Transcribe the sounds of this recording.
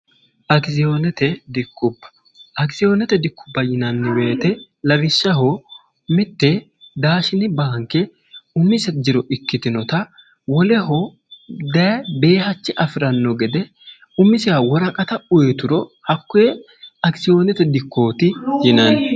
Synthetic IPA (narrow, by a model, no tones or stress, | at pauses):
ʔɐɡsɪjoːnɛt̪ɛd̪ɪkʰːʊbːɐ̥ | ʔɐɡsɪjoːnɛt̪ɛd̪ɪkːʊ̥bːɐjɪnɐnːɪwe̞ːt̪ɛ | lɐbɪʃːɐɦo | mɪt̪ːe | d̪aːʃɪnɪbaːŋkːɛ | ʊmːɪsɛd͡ʒɪɾɔʔɪkːɪt̪ɪnɔt̪ɐ | wɔlɛɦɔ | d̪ɐbe̞ːhɐt͡ʃːɪʔɐfɪɾɐnːɔɡɛd̪ɛ | ʊmːɪsɪjawɔɾɐkʼɐt̪ɐʊjɛt̪ʊɾɔhɐkːʊjɛ | ɐɡsɪjoːnɛt̪ɛd̪ɪkːo̞ːt̪ɪjɪnɐn